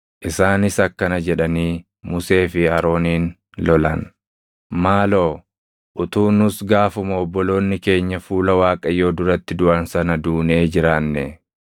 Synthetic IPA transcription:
ʔɪsaːnɪsɐkːɐnɐd͡ʒɛᶑɐniː | mʊse̞ːfɪɐɾo̞ːniːn | lɔlɐn | maːlo̞ː | ʔʊt̪uːnʊsɡaːfʊmʊːbːɔlo̞ːnːɪke̞ːɲːɐfuːlɐwaːkʼɐjːo̞ːd̪ʊɾɐt̪ːɪd̪ʊʔɐnsɐnɐd̪uːneːd͡ʒɪɾaːnːɛ

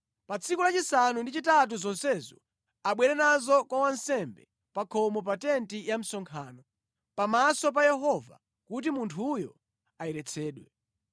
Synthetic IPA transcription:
pat͡sʰikulat͡ʃisanundit͡ʃitat̬uzɔnsɛzɔ̰ | aɓwɛɾɛnazɔkwawansɛmbɛ | pakʰɔmɔp̬atɛntijam̩sɔŋkʰaːnɔ | pamasɔp̬ajɛɦɔva̰ | kut̬imuntʰujɔ | ajɛɾɛt͡sʰɛːɗwɛ

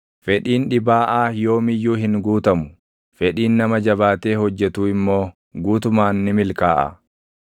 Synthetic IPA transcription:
fɛᶑiːnᶑɪbaːʔaːjo̞ːmɪjːuːɦɪŋɡuːt̪ɐmʊ̥ | fɛᶑiːnːɐmɐd͡ʒɐbaːt̪e̞ːɦɔd͡ʒːɛt̪uːɪmːo̞ː | ɡuːt̪ʊmaːnːɪmɪlkaːʔɐ̰

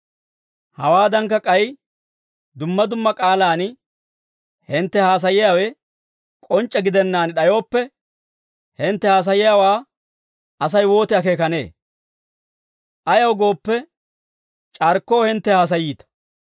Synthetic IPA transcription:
hɐ̰waːd̪ɐŋkːɐkʼɐj | d̪ʊmːɐd̪ʊmːɐkʼaːlaːn | hɪnt̪ːɛhaːs̬ɐjɪjaːwɛ | kʼɔnt͡ʃʼːɛɡɪd̪ɛnːaːnɗɐjo̞ːpːɛ | hɪnt̪ːɛhaːs̬ɐjɪjaːwaː | ɐs̬ɐjwo̞ːt̪ɪɐke̞ːkɐne̞̰ː | ʔɐjɐwɡo̞ːpːɛ | t͡ʃʼɐɾkːo̞ːhɪnt̪ːɛhaːs̬ɐjiːt̪ɐ̥

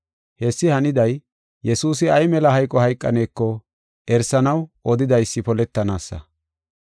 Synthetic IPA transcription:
hɛsːɪhɐnɪd̪ɐj | jɛsuːs̬ɪɐjmɛlɐɦɐjkʼːɔhɐjkʼːɐne̞ːkːɔ | ʔɛɾsɐnɐwʔɔd̪ɪd̪ɐjsːɪpɔlɛt̪ːɐnaːsːɐ̰

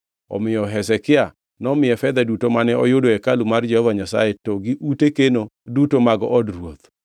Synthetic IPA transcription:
ɔ̰mɪjɔɦɛsɛkɪa | nɔmɪjɛfɛd̪ɛdutomanɛɔjodoɛkalumard͡ʒɛhɔvaɲasa̰jetɔɡiʔutekenodutomaɡɔ̰ʔɔdrwot̪

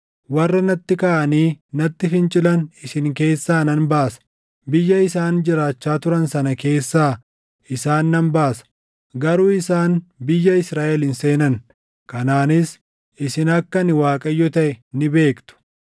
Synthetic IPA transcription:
wɐrːɐnɐt̪ːɪkaːʔɐniːnɐt̪ːɪfɪnt͡ʃʼɪlɐnɪsɪŋke̞ːsːaːnɐnbaːsɐ̥ | bɪjːɐɪsaːnd͡ʒɪɾaːt͡ʃːaːt̪ʊɾɐnsɐnɐke̞ːsːaː | ʔɪsaːnːɐmbaːsɐ̥ | ɡɐɾuːɪsaːnbɪjːɐɪsɾaːʔɛlɪnse̞ːnɐn | kɐnaːnɪs | ʔɪsɪnɐkːɐnɪwaːkʼɐjːɔt̪ɐʔɛnɪbe̞ːkt̪ʊ̥

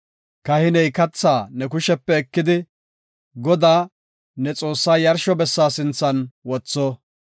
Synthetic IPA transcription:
kɐhɪnɛjkɐt͡sːaːnɛkʊʃɛpːɛːkːɪd̪ɪ | ɡɔd̪aː | nɛt͡sʼo̞ːsːaːjɐɾʃɔbɛsːaːsɪnt͡sːɐnwɔt͡sːɔ

